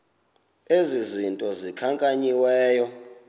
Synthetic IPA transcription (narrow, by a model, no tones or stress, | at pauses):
ezizintʼɔzikʰaŋkʼaɲiwɛːjɔ